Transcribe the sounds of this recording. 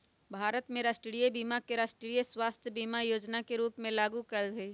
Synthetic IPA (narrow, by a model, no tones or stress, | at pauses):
bʱaːɾət̪mẽɾaːsʈɽijebiːmakeɾaːsʈɽijeswaːst̪ʰjəbiːmajoːd͡ʒnakeɾuːpmẽlaːɡukɐɾdeː